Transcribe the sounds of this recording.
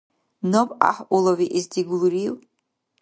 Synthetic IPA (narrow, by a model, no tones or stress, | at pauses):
nopʼa̰ħʔuloviʔizdiɡlɾiw